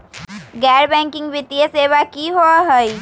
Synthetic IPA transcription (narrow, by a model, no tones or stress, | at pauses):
ɡɛːɾbɛ̃ːŋkɪ̃ŋɡʋɪt̪ijeseːʋakiɦoaɦəi